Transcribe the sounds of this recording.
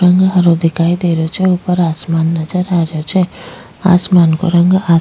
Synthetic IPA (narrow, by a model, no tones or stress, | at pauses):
ɾəŋɡɦəɾod̪ʱikʰajd̪eɾjot͡ʃʰeupəɾasmanːʌd͡ʒəɾaɾjot͡ʃʰe | a̰smanko̰ɾʌŋɡa